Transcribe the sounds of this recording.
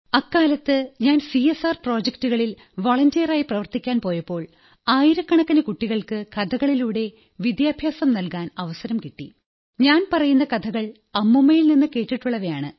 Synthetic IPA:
ɐkːaːlɐt̪ːɨɲaːnsiesaːrpro̞ːd͡ʑek̚tuɣɐɭil | ʋoɭɐndijɐraːjiprɐʋɐrt̪ikʲːaːnpo̞ːjɐpːo̞ːɭ | aːjiɾɐkːɐɳɐkːɐnɨkuʈːiɣɐɭkɨkɐd̪ʰʱɐɣɐɭiluːɽe̞ | ʋid̪jaːbʱjaːsɐmnɐlkaːnɐʋɐsɐɾɐmkiʈːḭ | ɲaːnpɐrɐjunːɐkɐd̪ʰʱɐɣɐɭ | ɐmːumːɐjilninːɨke̞ːʈːiʈːuɭːɐʋɐjaːɳɨ̰

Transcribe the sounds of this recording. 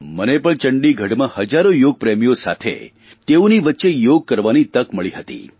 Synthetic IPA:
mənepəɳt͡ʃəɳɖiɡʱəɽmãhəd͡ʒaɾojoɡ̚pɾemijosa̰t̪ʰḛ | t̪eũniʋətːʃejoɡ̚kəɾʋanit̪əkməɭiɦət̪ḭ

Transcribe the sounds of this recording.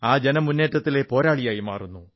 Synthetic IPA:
aːd͡ʑenɐmːunːe̞ːʈːɐt̪ːile̞po̞ːɾaːɭijaːjima̰ːrunːu

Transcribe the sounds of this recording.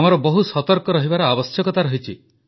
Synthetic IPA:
amɔɾɔbɔɦusɔt̪ɔɾkɔɾɔɦibaɾɔabɔsjɔkɔt̪aɾɔɦit͡ʃʰi

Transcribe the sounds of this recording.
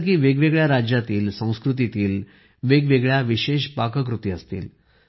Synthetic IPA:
kiːʋeɡʋeɡɭjaɾad͡ʑjat̪iːlsə̃w̃skɾut̪̬it̪iːl | ʋeɡʋeɡɭjaʋiɕeɕpakək̬ɾut̪iːəst̪ḭːl

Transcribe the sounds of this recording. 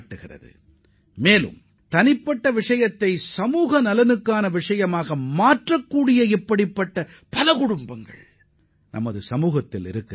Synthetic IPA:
ʈːɯɣɪrɐ̰ðɯ̰ | meːlɯ̰m | t̪ɐnɪpːɐʈːɐʋɪʂɐjɐt̪ːɐɪsɐmuːɣɐnɐlɐnɯkːaːnɐʋɪʂɐjɐmaːɣɐmaːʈrɐkːuːɽɪjɐɪpːɐɽɪpːɐʈːɐ | pɐlɐkʊɽʊmbɐŋɡɐ̰ɭ | nʔɐ̰mɐðɯsɐmuːɣɐt̪ːɪlɪ̰ɾɯkː

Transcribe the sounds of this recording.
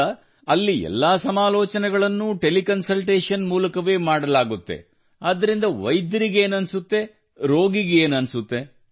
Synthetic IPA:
ɐlːiɛ̰lːaːsɐmaːlɔːt͡ʃɐnɛɡɐɭɐnːuʈe̞likɐnsɐlʈeːʂɐnmuːlɐkɐʋe̞ːmaːɽɐlaːɡut̪ːe̞̰ | aːd̪ːɐɾind̪ɐʋɐjd̪ɐɾiɡe̞ːnɐnsut̪ːe̞ | ɾoːɡiɡeeːnɐnsut̪ːe̞

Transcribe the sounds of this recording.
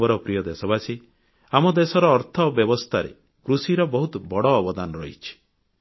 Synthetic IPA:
ɔɾɔpɾijɔd̪esɔbasi | amɔd̪esɔɾɔːɾt̪ʰɔbjɔbɔst̪ʰaɾḛ | kɾusiɾɔbɔɦut̪bɔɽɔːbɔd̪anɔɾɔɦit͡ʃʰi̥

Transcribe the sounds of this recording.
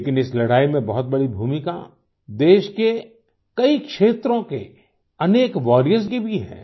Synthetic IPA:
kɪnɪslɐɽaːimẽbɐɦʊt̪̚bɐɽibʱuːmika̰ | d̪eːʃke | kɐikʃeːt̪ɾõke | ɐneːkʋɔːɾijəɾs̬kibʱiɦɛ̰̃ː

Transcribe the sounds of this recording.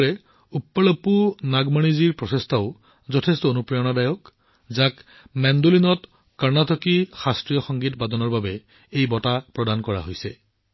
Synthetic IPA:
ɹɛ | upːɔlɔpunaɡmaniziɹpɹɔsestʰaʊ | zɔtʰɛstɔonupɹɔjɔnadajɔk | zãk | mɛndolinɔt | kaɹnatɔkixastɹijɔxɔŋɡitbadɔnɔɹbabɛ | ejbɔtapɹɔdankɔɹa̰ɦojsɛ

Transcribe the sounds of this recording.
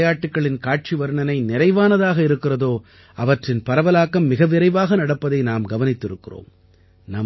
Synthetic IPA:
jaːʈːɯkːɐɭɪnkaːʈ̚t͡ʃiʋɐɾɯɳɐnɐɪnɪɾɐɪʋaːnɐðaːɣɐɪɾɯkːɪrɐðoː | ʔɐʋɐʈrɪnpɐɾɐʋɐlaːkːɐmːɪɣɐʋɪɾɐɪʋaːɣɐnɐɽɐpːɐðɐɪnaːmɡɐʋɐnɪt̪ːɪɾɯkːɪro̰ːm | nɐ

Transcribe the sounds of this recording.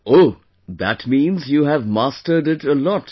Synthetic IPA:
o | ðætmĩːnzjuːɦævmastə˞ɖɪʈəlɔt

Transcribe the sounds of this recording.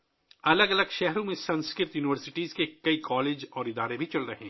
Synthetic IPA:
ɐləɡɐləɡʃɛɦɾõmẽsɐ̃nskɾɪɾt̪juːnɪʋəɾsɪʈiːzkekɐikɔːleːd͡ʒɔːɾɪd̪aːɾebʱit͡ʃɐlɾɐɦẽ

